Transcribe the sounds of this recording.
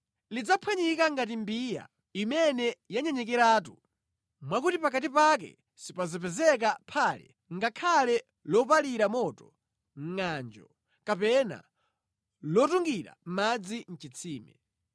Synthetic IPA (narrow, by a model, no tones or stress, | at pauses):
lid͡zapʰwaɲikaŋɡat̬imbija̰ | imɛnɛjaɲɛɲɛkɛɾaːtu | mwakutipak̬atipak̬ɛ̰ | sipazɔpɛzɛk̬apʰaːlɛ̰ | ŋɡakʰalɛ | lɔpaliɾamɔtɔ | ŋ̩ŋand͡ʒɔ | kapɛna̰ | lɔtuŋɡiɾa̰m̩mad͡zin̩t͡ʃit͡sʰiːmɛ